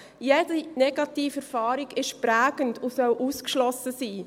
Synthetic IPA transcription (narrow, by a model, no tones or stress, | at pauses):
jedinɛɡ̥ɑtiːfɛɾfɑːɾiɡɪʃpɾæːɡ̥əntusœwʔuːskʃlɔsəsiː